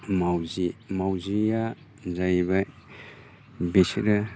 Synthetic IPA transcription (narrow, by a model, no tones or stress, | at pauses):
mawzimawzia | zajβaj | besɾɯ